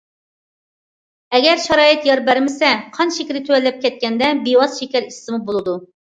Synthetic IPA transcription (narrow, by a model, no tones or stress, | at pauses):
ɛɡʲɛɾʃɑɾɑːjɪt̪jɑɾbæɾmɪsɛqʰɑnʃekʲɾɪt̪ʰywɛlːɛp̚kʲɛt̪̚kʲɛnd̪ɛbiwɑzʃekʲɛɾisɨmubolˠɨd̪u